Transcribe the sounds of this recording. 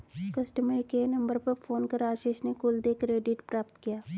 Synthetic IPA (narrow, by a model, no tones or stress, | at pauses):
kəsʈəməɾkenəmbəɾpəɾpʰoːnkəɾaːʃeːʃneːkʊld̪eːkɾeːɖɪʈpɾaːpt̪kɪjaː